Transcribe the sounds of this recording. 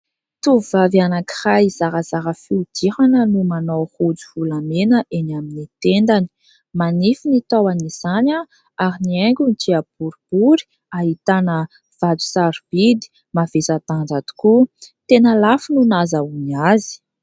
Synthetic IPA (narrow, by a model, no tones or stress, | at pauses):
t̪uvuvavianaki̥raiz̥aɾəzaɾəfiud̪̥ihanənumanowhud͡zuvulamenəʔenaminit̪end̪ani̥ | manifinit̪awaniz̥anʲa | aɾinieŋɡʲunid͡ʒiab̥uɾib̥uɾi̥ | aɦit̪anə | v̥ad͡zu̥saɾv̥id̪i̥ | mav̥esat̪and͡zad̪u̥kut̪enəlafinunazauniazi̥